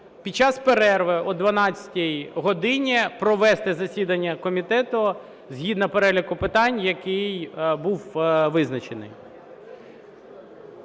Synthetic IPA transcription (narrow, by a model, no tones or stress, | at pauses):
pʲid̚t͡ʃɑspeɾɛrʋɪɔd̪ʋɐnɑt͡sʲɐ̥tʲijɦɔd̪ɪnʲipɾɔʋɛst̪ɛzɐsʲid̪ɐnʲːɐkɔmʲit̪ɛt̪ʊ | zɦʲid̪nɐpeɾɛlʲikʊpɪt̪ɑnʲjɐkɪjbuwʋɪznɐt͡ʃenɪ̰j